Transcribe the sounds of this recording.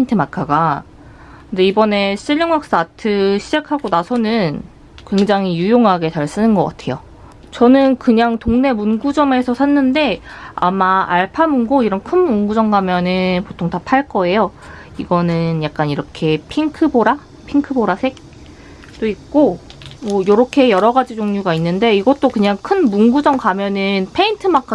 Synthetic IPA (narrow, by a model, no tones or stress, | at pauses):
intʰɯmakʰaɡa | kɯnde̞ibʌne̞ɕ͈iʎːʌŋwak̚s͈atʰɯɕʰid͡ʑakʰaɡonasʰʌnɯn | kwe̞ŋd͡ʑaŋijujoŋɦaɡe̞taɭs͈ɯnɯnɡʌk͈a̰tʰe̞jo | t͡ɕʌnɯnkɯɲaŋtoŋne̞munɡud͡ʑʌme̞sʰʌsʰanːɯnde̞a̰maaɭpʰamunɡoiɾʌnkʰɯmːunɡud͡ʑʌŋɡamjʌnɯnpotʰoŋtapʰaɭk͈ʌe̞jo | iɡʌnɯnjak̚k͈aniɾʌkʰe̞pʰiŋkʰɯboɾa | pʰiŋkʰɯboɾasʰe̞k̚ | t͈oik̚k͈omʌjoɾʌkʰe̞jʌɾʌɡad͡ʑid͡ʑoŋɲuɡainːɯnde̞iɡʌt͈okɯɲaŋkʰɯnmunɡud͡ʑʌŋkamjʌnɯnpʰe̞intʰɯmak͈ʰa